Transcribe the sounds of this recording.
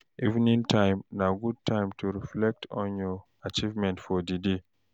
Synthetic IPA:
ʔḭṽnĩntʰãɪ̃mnaɡud̚tʰãɪ̃mtuɹiflɛk̚tʰɔ̃njɔ | at͡ʃivmɛ̃ntfɔdide

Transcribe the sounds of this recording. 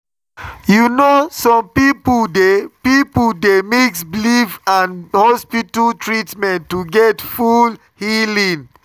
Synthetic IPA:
junosɔ̃mpipdepipuldemeksblivãnhɔspitaltʰɹitmɛ̃ntːuɡɛtful | hilĩn

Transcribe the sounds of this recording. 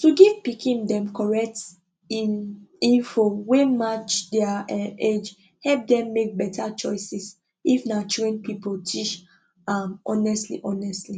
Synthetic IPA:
tuɡɛvpikĩndɛ̃mkɔɹɛk̚t | inĩnfowemat͡ʃdɛaed͡ʒ | hɛlp̚dɛ̃mːek̚bɛtat͡ʃɔɪsis | ifnat͡ʃẽnpipotʰiʃ | amɔnɛstlḭʔɔnɛstli

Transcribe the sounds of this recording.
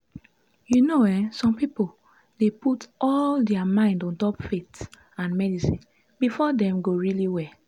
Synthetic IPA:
junowɛsɔ̃mpipol | deputɔldɛamãɪ̃ndɔ̃ntɔpfet | ãnmɛdisĩn | bifɔdɛ̃mɡoɹiliwɛ

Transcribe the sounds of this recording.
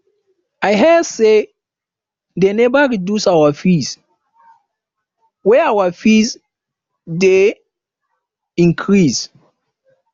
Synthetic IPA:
ajɦɛse | denɛbaɹidusawafis | wɛawafis | de | ĩŋkʰɹis

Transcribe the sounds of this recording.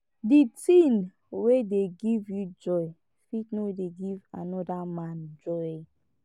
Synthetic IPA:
ditĩn | wedeɡivjud͡ʒɔj | fitnowedeɡivanɔdamãnd͡ʒɔj

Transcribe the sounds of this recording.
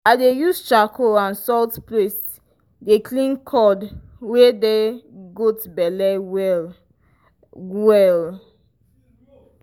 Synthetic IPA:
adejust͡ʃakoãnsɔltplest | deklĩnkʰɔdwedeɡotbɛlɛ | wɛl

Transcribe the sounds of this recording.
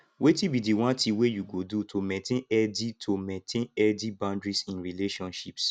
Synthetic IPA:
wetibidiwãntiwejuɡodutʰomɛ̃tẽnɛditʰomɛ̃tʰẽnɛdibãndɹisĩnɹileʃɔ̃nʃips

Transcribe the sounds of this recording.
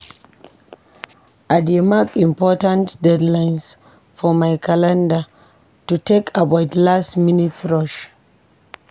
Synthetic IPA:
ʔademakimpɔtãntdɛdlajns | fɔmajkʰalãnda | tutekʰabawtlastminitsɹɔʃ

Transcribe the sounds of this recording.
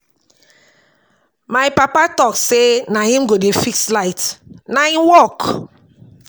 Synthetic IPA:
maɪpapatɔksenahĩm̩ɡodefikslaɪtnaĩwɔk

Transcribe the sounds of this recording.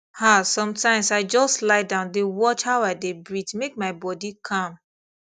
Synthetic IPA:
hasɔ̃mtãɪ̃msaɪd͡ʒɔstlaɪdãʊ̃ndewɔt͡ʃhaʊaɪdebɹitmek̚maɪbɔdikʰãm

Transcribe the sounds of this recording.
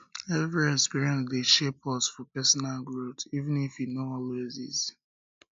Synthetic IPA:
ɛvɹiɛkspiɹiɛ̃nsdeʃepɔsfɔpɛsɔnalɡɹotivɨ̃nifinoɔlezḭz

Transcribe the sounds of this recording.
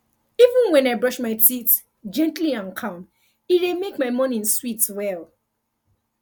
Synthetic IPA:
ivə̃nwɛ̃naɪbɹɔʃmaɪtit | d͡ʒɛ̃ntliãnkʰɔ̃m | iɾemekmaɪmɔ̃nĩnswitwɛl

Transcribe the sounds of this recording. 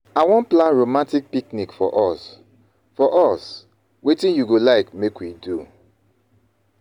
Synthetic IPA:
awɔ̃nplãnɹomãntik̚piknikfɔ̰ʔɔs | fɔʔɔs | wetĩnjuɡolaɪkmekwidu

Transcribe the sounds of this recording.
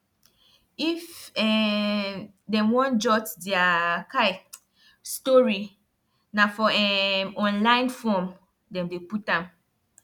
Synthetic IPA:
ifɛ | dɛ̃mwɔ̃nd͡ʒɔtdɛaka | stɔɹi | nafɔɛɔ̃nlãɪ̃nfɔm | dɛ̃mdeputãm

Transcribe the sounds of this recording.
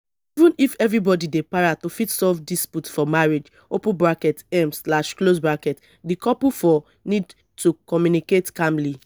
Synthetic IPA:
ivũnifɛvɹibɔdidepaɹatufitsɔvdisputfɔmaɹed͡ʒ | opũbɹakɛtɛmslaʃklosbɹakɛt | dikʰɔpufɔ | nid | tukɔmjuniketkãmli

